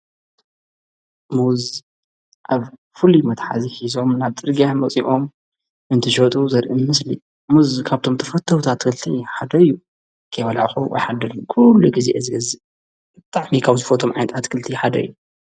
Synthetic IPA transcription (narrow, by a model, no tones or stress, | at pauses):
muz | ʔaβ | fɨlimɐt̪ħa̰ziħizo̞mnaβt̪ʼɨɾɡijamɐt͡sʼiʔo̞m | ɨnt̪ʰɨʃot̪ʼuzɐɾʔimɨslḭ | muzkʰaβt̪ʰo̞mt̪ʰɐfɐt̪ʰːɐwt̪ʰat̪ːkʰɨlt̪ʰiħad̪ɐɨjːu | kʰɐjwɐla̰ʕxuwʔjħad̪ɐlumkʰulːuɡizʔezɨɡɐzɨ | bɨt̪ʼaʕmikʰaβzɨfot̪ʰomʕajnɐt̪ʰat̪kʰɨlt̪ʰiħad̪ɐ̰ɨjːu